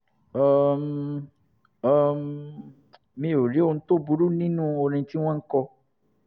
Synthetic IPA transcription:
ɔ˧m˨˧ | m | mĩ˧o˨ɾi˨˦o˧nũ˦to˦bu˨˦ɾu˦nĩ˦nũ˦o˧ɾ̃ĩ˧ti˦w̃ɔ̃˦ŋ̩˦kɔ˧

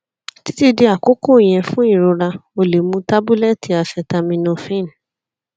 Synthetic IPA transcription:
ti̥˦ti˦de˧˦a˨ko˦ko˦˨i˨j̃ɛ̃˨˧fũ˦i˦˨ɾo˧ɾa˧o˧le˨mũ˧ta˦bu˦lɛ˦ti˨˧a˨ʃɛ˧ta˧mĩ˧nɔ̃˧fĩ˦˨n˨

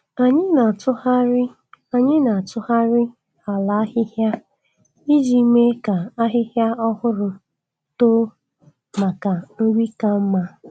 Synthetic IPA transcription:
a˨ɲɪ˦na˨tʊ˦ha˦ɾɪ˦ | a˨ɲɪ˦na˨a˨tʊ˦ha˦ɾɪ˦ | a˨la˨a˦hɪ˦hja˦ | i˦d͡ʒi˨˦me˦ka˨a˦ɦɪ˦ɦja˦ɔ˦hʊ˦ɾʊ˨ | to˦ | ma˨ka˨n̩˦ɡʷi˦ka˨m̩˦ma˦

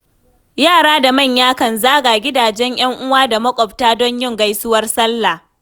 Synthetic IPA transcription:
jaː˦˨ɽaː˦da˨mɐ˦˨ɲjaː˦kɐ˨nzaː˦ɡa˨ɡʲɪ˦daː˨d͡ʒɛ˦ɲj̰ɐ˦ŋʔʊ˦waː˦da˨mɐ˦kʷʼɔ˨p̚taː˦dɔ˦ɲjɪ˦˨ŋɡa˦jsʊ˦wɐ˦rsɐ˦lːa˨

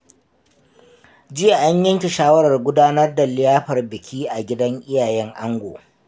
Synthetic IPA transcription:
d͡ʒɪ˦ja˨ʔa˦ɲjɐ˦ŋkʲi˨ʃaː˦wɐ˦ɾɐ˨rɡʷʊ˦daː˦nɐ˦rda˨lɪ˦jaː˦ɸɐ˨rbɪ˨kʲʰiː˦ʔa˨ɡʲɪ˦dɐ˦ŋʔɪ˦jaː˨jɛ˦ŋʔa˦ŋɡʷo̰ː˨

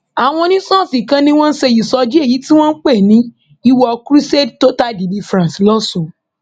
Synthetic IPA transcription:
a˨w̃ɔ̃˧nĩ˦sɔ̃˦˨si˨kã˧nĩ˦w̃ɔ̃˦n̩˦ʃɛ˧ji˨sɔ˧d͡ʒi˦e˦˨ji˨˦ti˦w̃ɔ̃˦n̩˦k͡pɛ˦˨nĩ˨˦ | i˦wɔ˧kɾi˦se˦dto˦ta˦di˨bi˧fɾã˨slɔ˦sũ˨

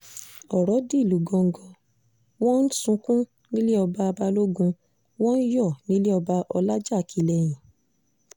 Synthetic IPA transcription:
ɔ˨ɾɔ˨˦di˦˨lu˨˦ɡɔ̃˧ŋ̩˦ɡɔ̃˧ | wɔ̃˦n̩˦sũ˧kũ˦ | nĩ˦le˦ɔ˧ba˧ba˧lo˦ɡũ˧ | wɔ̃˦n̩˦jɔ˦˨nĩ˦le˦ɔ˧ba˧ʔɔ˧la˦d͡ʒa˦˨kʰi˨˦lɛ˧˨j̃ĩ˨

